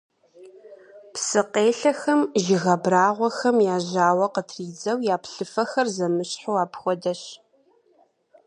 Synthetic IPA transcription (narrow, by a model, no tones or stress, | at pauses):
psɨqeːɬɐxɐmʒɪɣɐbraːʁʷɔxɐmjaːʑaːwɐqətʰriːd͡zɐwjaːpɬɨfɐxɐrzɐmɨɕħowaːpxʷɔdɐɕ